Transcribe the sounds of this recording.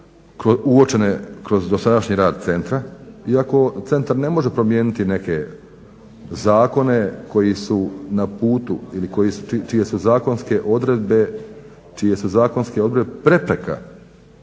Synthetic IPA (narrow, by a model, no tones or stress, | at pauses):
kɾouo̞t͡ʃe̞nekɾo̞zd̪o̞sad̪aʃɲiɾaːd̪̚t̪se̞nt̪ɾaiako̞t̪se̞nt̪aɾne̞mo̞ʒe̞pɾo̞mjeːnit̪ine̞ke̞ | zaːko̞ne̞ko̞jisunapuːt̪uiliko̞jisut͡ʃit͡ʃije̞suzaːko̞nske̞ʔo̞d̪ɾe̞d̪̚be̞ | t͡ʃije̞suzaːko̞nske̞o̞d̪ɾebepɾe̞pɾeka̰